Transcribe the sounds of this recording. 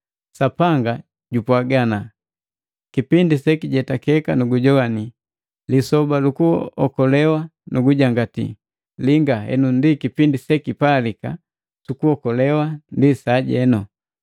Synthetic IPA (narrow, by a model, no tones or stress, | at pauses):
sapaŋɡa | ɟupwaɡana | kipindisɛkiɟɛtakɛkanuɡuɟɔwani | lisɔbalukuɔ̰kɔlɛwanuɡuɟaŋɡatḭ | liŋɡaɦɛ̰nundikipindisɛkipalika | sukuhɔkɔlɛwandisaɟɛnu